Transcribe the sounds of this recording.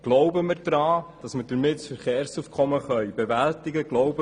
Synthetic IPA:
ɡ̥lɔwbəmɪɾd̥ɾɑːd̥ɑsməd̥əɾmɪtsfəɾχeːɾsufkʰχɔməχœjbevæltɪɡəɡ̥lɔwbə

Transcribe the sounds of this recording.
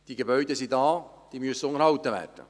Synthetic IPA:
d̥iːɡebœʏd̪əsidɑː | d̥iːmyəsːəʊŋəɾhɑwt̪əʋæ̰ːrd̥ə̰

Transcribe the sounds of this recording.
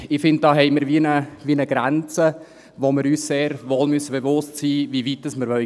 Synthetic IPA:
ɪfɪnd̚d̥ɑːɦɛɪmɪɾʋinəʋiənəɡɾænt͡sə | ʋomɪɾyːsseːɾʋoːlmyəsːəbevʊstsiːʋiʋitːəsməɾʋœ

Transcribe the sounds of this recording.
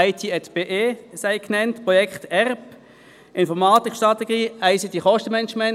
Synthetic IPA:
aɪtʰiːɛtb̥eːʔeːsaɪkʰnɛntpʁɔjɛkχtɛʁb | ʔɪnfɔʁmaːtɪkʰʃtʁɑt̪ɛɡ̥iːaɪsit̪iχɔʃtəmɛnət͡ʃmɛn

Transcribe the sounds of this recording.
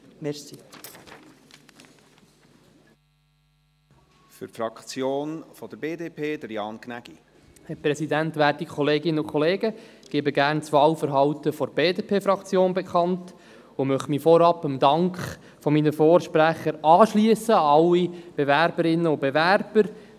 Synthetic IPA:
mɛsi | fʏɾfɾɑkt͡sjoːnfɔd̥̪əɾbeːdeːpʰeːd̥̪əɾjɑnknæɡ̥i | hɛpɾɛsidænt̪ʋæːtikʰɔleːɡɪnəʊkʰɔleːɡəɡ̥eːbəɡæːɾnt͡sʋɑːwfəɾɦɑwtəfɔɾb̥eːdeːpʰeːfɾɑkt͡sjoːnbɛkʰɑnt | ʊmœχtmiːfɔɾɑpəmd̪ɑŋkχ | fɔminəfɔːɾʃpɾæχəɾɑːʃliəsəɑlːib̥evæɾbəɾɪnːəʊbevæɾb̥əɾ

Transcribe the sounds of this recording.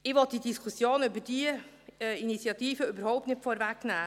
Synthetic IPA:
ɪʋɔt̚d̥idiskʰusjoːnybəd̥iə | init͡sjɑtiːfəybəɾhɔʊp̚tnɪtfɔɾvæknæː

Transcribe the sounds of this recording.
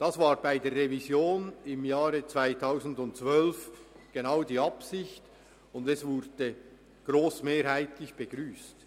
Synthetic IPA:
d̥asvaːɾbaɪdeːrːevizjoːnɪmjaːɾət͡sv̥aɪtʰaʊsn̩dʊnt̚t͡svœlfɡ̥enaʊdiːɑpsɪçt | ʊndɛsvʊɾd̥ə | ɡ̥ɾoːsmeːɾhaɪtlɪçb̥eɡ̥ɾyːst

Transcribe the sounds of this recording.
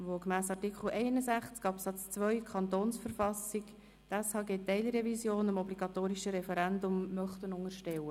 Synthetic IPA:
ʋokmæːsɑrtikχl̩ɛɪnəzæχt͡skɑpsɑt͡st͡sʋœʏkʰχɑnt̪oːnsfəɾfɑsik | t̪ɛshɑːɡeːt̪ːɛɪlɾɛvizjoːnəmɔbliɡ̥ɑt̪oːɾiʃəɾɛfɛɾændʊmːœχt̪ənʊŋəɾʃtɛwə

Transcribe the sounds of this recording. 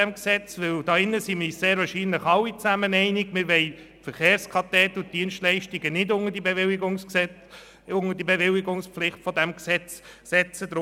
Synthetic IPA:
ɛmksɛt͡sʋɪld̥ɑːɪnːəsimɪseːɾʋɑʃiːnləχɑwit͡sæmənɛɪnɪɡmɪɾʋɛɪ | fəɾχeːɾskʰɑtɛtʊt̚d̥iənstlɛɪʃtiɡənɪdʊŋəd̥ibeʋɪliɡʊŋsksɛ | ʊŋədibeʋɪlɪɡʊŋspflɪχtfɔdæmksɛt͡ssɛt͡sədɾ

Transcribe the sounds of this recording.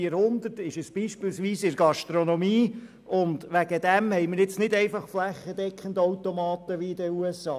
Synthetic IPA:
əɾhʊnd̪ətɪʃəsb̥iːʃpɪlsʋiːsɪɾɡ̥ɑʃt̪ɾonomiː | ʔʊnd̪ʋæɡ̥əd̥̪ɛmhɛɪməɾjɪt͡snɪdɛɪfɑχflæχəd̥̪ɛkχən̩dɔwt̪omɑːt̪əʋiɪdəuɛsɑː

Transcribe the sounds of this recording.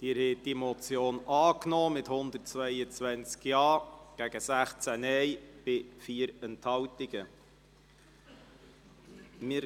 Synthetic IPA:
d̪̥iːɾhɛt̚d̥imɔt͡sjoːnɑːknɔːmɪthʊnd̪ərtt͡svœɪət͡svænt͡skjɑːɡ̥æɡ̥əsæχt͡sænɛɪb̥ɪfiːəɾɛnthɑwtɪɡ̥ə | mɪɾ

